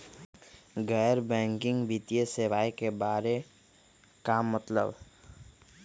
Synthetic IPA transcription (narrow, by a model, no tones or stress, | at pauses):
ɡɛːɾbɛ̃ːŋkɪ̃ŋɡbit̪ijeseʋaːikebaːɾe | kaːmːət̪lə̰b